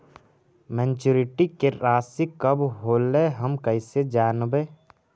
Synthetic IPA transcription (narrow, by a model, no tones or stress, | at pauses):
mɛ̃nt͡ʃuɾɪʈikeɾaːsikəbɦoːleɦəmkəɪsed͡ʒaːnbeː